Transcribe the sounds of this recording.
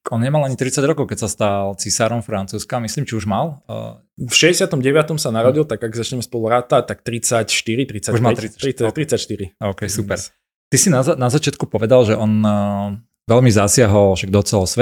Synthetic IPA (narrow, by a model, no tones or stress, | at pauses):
ɔnɲɛmalaɲit̪ɾit͡saɟɾɔkɔʊkɛcsast̪alt͡sisaːɾɔmfɾant͡suːskamisliːmt͡ʃiuʒmal | fʃɛɟɛsɪat̪ɔmɟɛʋɪat̪ɔmsanaɾɔɟilt̪aɡaɡzat͡ʃɲɛmɛspɔluɾat̪at̪akt̪ɾit͡sacʃt̪iɾit̪ɾit͡sauʒmalt̪ɾiɾit̪ɾit͡sacʃt̪iɾiɔʊkɛjsupɛɾ | t̪isinazanazat͡ʃɪat̪kupɔʋɛd̪alʒɛʔɔn | ʋɛlmizasɪaɦɔlˠʃaɡ̚d̪ɔt͡sɛlɔsʋɛ